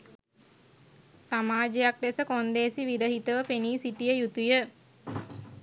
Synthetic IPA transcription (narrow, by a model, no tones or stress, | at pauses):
samaːd͡ʒejak̚d̪esəkond̪eːsiʋiɾəɦit̪əʋəpeniːsiʈijəjut̪ujə